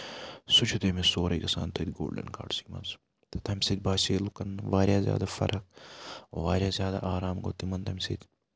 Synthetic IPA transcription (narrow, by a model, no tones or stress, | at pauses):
sʊt͡ʃʰut̪eːmisoːɾɐjkɐsa̰ːnt̪ʰɐd̪ɡo̰ːlɖɐ̰nka̰ːɖsiːmɐ̰nz | t̪ɐt̪ɐːmʲsed̪̚ʲbaːʃeːlukɐnʋaːɾjaːzʲja̰ːd̪aːfɐ̰ɾʔɐk̚ | ʋaːɾʲjaːzjaːd̪a̰ːʔaːɾaːmɡo̰ːt̪imɐnt̪ɐmʲsiːt̪ʲ